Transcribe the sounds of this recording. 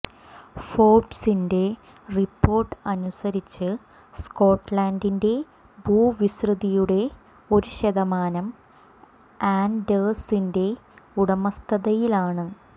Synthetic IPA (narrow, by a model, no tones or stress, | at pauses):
fo̞ːbsinde̞ | ripːo̞ːrʈːɨɐnusɐɾit͡ɕːɨ | sko̞ːʈːlaːndinde̞ | buːʋisrɨðijuɽe̞ | o̞ɾuɕeðɐmaːnɐm | aːndɐlsinde̞uɽɐmɐst̪ʰɐðɐjilaːɳɨ